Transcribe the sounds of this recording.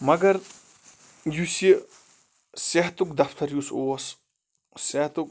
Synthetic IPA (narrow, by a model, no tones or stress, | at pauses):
mɐɡɐɾ | jusi | sɐɦt̪ukd̪ɐfʰt̪ʰɐɾjusoːs | sɐɦt̪uk̚